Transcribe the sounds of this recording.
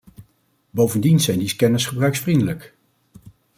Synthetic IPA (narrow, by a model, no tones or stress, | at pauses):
bowvəndinzɛjndezə̥kɛnɪsχəbrœɥksfrindələk